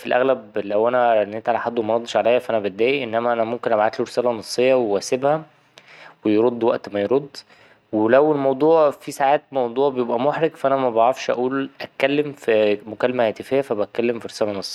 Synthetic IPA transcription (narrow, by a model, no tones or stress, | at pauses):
filʔæ̰ɣlæblæwʔænænːet̪ʕalæħad̪ːwemæɾˤɑd̪ˤːeʃʕalæjhæfʔænæbet̪̚d̪æːjiʔenːæmæʔænæmomkenʔæbʕat̪luɾesæːlænɑsˤːejːɑwewæːsebhæ | wejeɾod̪ˤːwæ̰ʔt̪mæjɾod̪ˤː | welæwelmɑwd̪ˤuːʕfisaʕaːt̪̚mɑwd̪ˤuːʕbejebʔæmoħɾeɡfæʔænæmæbɑʕɑfʃʔæ̰ʔuːlʔæt̪̚kːælːemfimokælːemæhæːt̪efejːæfæbæt̪̚kælːemfiɾesæːlænɑsˤːe̥jːɑ